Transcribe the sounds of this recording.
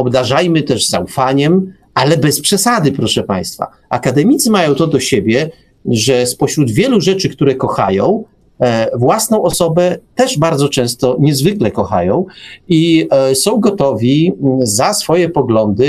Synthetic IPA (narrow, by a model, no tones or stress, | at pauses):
ɔbd̪aʐajmɘt̪ɛʐzaufaɲɛm | alɛbɛspʂɛsad̪ɘpɾɔʂɛpa̰j̃st̪fa̰ | a̰kad̪ɛmʲit̪sɘmajɔ̃w̃t̪ɔd̪ɔɕebʲjɛ | ʐɛspɔɕɾud̪vʲjɛluʐɛt͡ʂɘkt̪uɾɛkɔxajɔ̃w̃ | vwasnɔ̃w̃ɔsɔbɛt̪ɛʐbaɾd̪zɔt͡ʂɛ̃w̃st̪ɔɲɛzvɘklɛkɔxa̰jɔ̃w̃isɔ̃w̃ɡɔt̪ɔvʲizasfɔjɛpɔɡlɔnd̪ɘ